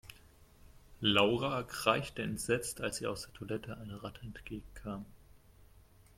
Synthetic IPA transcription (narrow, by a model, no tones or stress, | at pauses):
laʊʁaɡʁaɪçtəɛntz̥ɛt͡stʰalsiːaʊsd̥eːɐtʰolɛtʰəʔaɪnəʁatʰəɛntɡ̥eːɡŋ̩kʰaːm